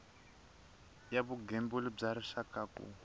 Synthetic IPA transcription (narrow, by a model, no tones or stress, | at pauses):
jaβuɡɛmbulib͡ʐaɾiʂakakṵ